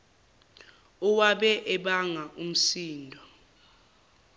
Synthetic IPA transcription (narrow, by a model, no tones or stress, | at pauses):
uwaɓɛʔɛɓaŋaʔum̩siːndʱɔ